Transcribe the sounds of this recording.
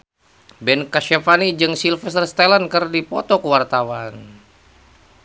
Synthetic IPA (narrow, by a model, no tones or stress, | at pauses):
bɛnkaʃafanid͡ʒɨŋsilfɛst̪ərst̪alankɨrdipɔt̪ɔkəwart̪awan